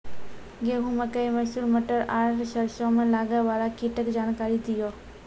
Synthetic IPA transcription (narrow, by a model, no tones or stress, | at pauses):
ɡeːɦũmẽkəimɐsuːlməʈəɾaːɾʈʃəɾʃõmẽlaːɡəʋaːɾakiʈəkd͡ʒaːnkaːɾid̪ɪjoː